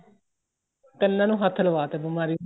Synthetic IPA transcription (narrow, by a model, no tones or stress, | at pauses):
k̪ɛnːãːnũːɦət̪ʰːləʋaːt̪eːbəmaːɾiː